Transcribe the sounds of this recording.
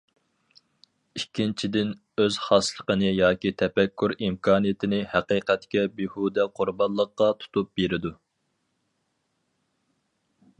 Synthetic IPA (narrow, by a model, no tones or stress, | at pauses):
ikʲːint͡ʃʰid̪ɪn | øz̥χɑslˠəqənɨjɑːkʲit̪ʰɛpɛkʲʰːuɾimkʰɑːnijet̪ʰɪnɪhɛqiːqɛt̪kʲɛbihud̪ɛqʰʊɾbɑnlˠːəqːɑt̪ʰu̥t̪ʰup̚beɾɪd̪u